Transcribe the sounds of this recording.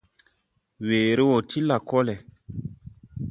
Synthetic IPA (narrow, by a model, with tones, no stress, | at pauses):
weː˨ɾi˦wo˨tʰi˦la˨kɔ˦lɛ˨